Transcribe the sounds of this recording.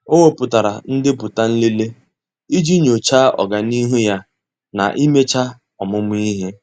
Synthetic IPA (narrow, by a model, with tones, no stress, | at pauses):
o˦wo˦pʊ˨ta˨ɾa˨n̩˦dɪ˦pʊ˨ta˦n̩˦li˦le˦ | i˦d͡ʒi˦ɲo˨t͡ʃa˦ʔɔ̰˨ɡa˨ni˦ɦu˦ja˦ | na̰˨ʔi˦me˦t͡ʃa˦ | ɔ˨mʊ˦mʊ˦i˦ɦe˦